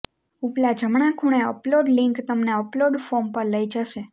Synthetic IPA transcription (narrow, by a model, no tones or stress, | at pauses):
uplad͡ʒəmɳ̃akʰuɳ̃eə̰ploɖliŋkt̪əmneəploɖfoɾmpəɾləid͡ʒəʃe